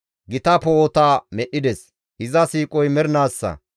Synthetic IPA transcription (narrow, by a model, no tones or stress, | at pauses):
ɡɪt̪ɐpoːt̪aːmɛɗːɪd̪ɛs | ɪzɐsiːkʼɔjmɛɾnaːsːɐ̰